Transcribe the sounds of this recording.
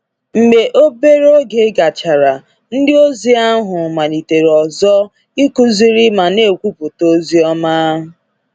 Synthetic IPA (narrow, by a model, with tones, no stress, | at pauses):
ŋ͡m̩˨ɡ͡be˨ʔo˦be˦ɾo˦ɡe˨˦ɡa˨t͡ʃa˨ɾa˨ | n̩˦dɪ˦o˦zi˦a˦ɦʊ˨ma˨ni˨te˨ɾe˨ɔ˨zɔ˦ | i˦ku˦zi˦ɾi˦ma˨ne˦˨kʷu˦pʊ˨to˦zi˦ɔ˦ma˦ɦʊ˨